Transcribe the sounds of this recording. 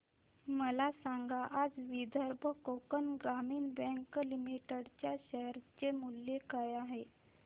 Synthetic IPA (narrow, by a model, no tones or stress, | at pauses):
məlasaŋɡaʔad͡zʋid̪ʱəɾbʱəkokənɡɾamiːnbə̃ŋklimiʈəɽt͡ɕjaɕəɦɾt͡ɕemuljekajaɦe